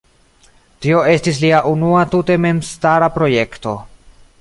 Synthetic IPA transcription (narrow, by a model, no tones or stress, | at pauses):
tio̞e̞stis̬liaʔunuatute̞me̞mstaɾapɾo̞je̞kto̞